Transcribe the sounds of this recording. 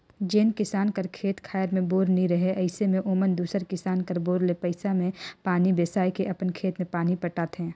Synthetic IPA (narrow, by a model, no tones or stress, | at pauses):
d͡ʒeːnkɪsaːnkəɾkʰeːt̪kʰaːjɾmẽboːɾnĩɾɐɦeʔɐɪsemẽʔoːmənd̪uːsəɾkɪsaːnkəɾboːɾlepəɪsamẽpaːnibeːsaːjkeʔɐpənkʰeːt̪mẽpaːnipɐʈaːt̪ɦɛ̃ː